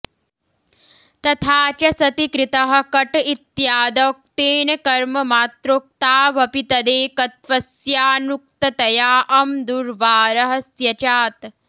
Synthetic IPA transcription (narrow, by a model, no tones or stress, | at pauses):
t̪ɐt̪ʰaːt͡ʃɐsɐt̪ikɾɪt̪ɐɦɐ̆kɐʈit̪jaːd̪oːk̚t̪eːnɐkɐɾmɐmaːt̪ɾoːk̚t̪aːʋɐpit̪ɐd̪eːkɐt̪ʋɐsjaːnuk̚t̪ɐt̪ɐjaːʔɐmd̪uɾʋaːɾɐɦɐsjɐt͡ʃaːt̪